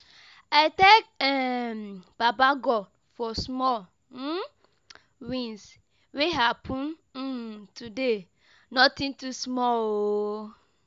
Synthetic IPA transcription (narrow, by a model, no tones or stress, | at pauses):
aɪtekɛmb̥abaɡɔ | fɔsmɔ | wĩns | weɦapʰũn̩ | tude | nɔtĩntusmɔo